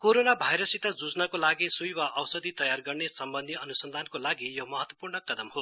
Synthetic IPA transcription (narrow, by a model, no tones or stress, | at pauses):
koɾonabʱajɾʌsit̪ad͡zud͡znʌkolaɡisujwaʔʌwsʌd̪ʱit̪ʌjarɡʌrnesʌmbʌnd̪ʱiʌnusʌnd̪ʱankolaɡijomʌɦʌt̪wʌpurnʌkʌd̪ʌmho